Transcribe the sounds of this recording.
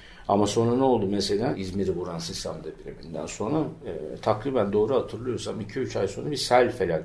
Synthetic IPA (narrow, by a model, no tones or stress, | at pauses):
a̰maso̞nɾanɛo̞lˠd̪umese̞lʲanizmeɾibuɾansist̪ʰa̰md̪abiɾemind̪æ̰nso̞nɾat̪ʰakɾiːbænd̪o̞ːɾuhat̪ʰɯɾlˠɯjo̞ɾsamicʰiyt͡ʃʰajso̞nabisælʲfelʲak